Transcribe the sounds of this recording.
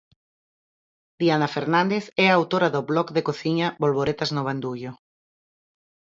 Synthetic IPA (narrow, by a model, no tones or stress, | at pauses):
d̪̥ianafeɾnãnd̪eθɛaːwt̪oɾɐðoβlɔkðekoθiɲɐβolβoɾet̪aznoβ̞and̪uʎʊ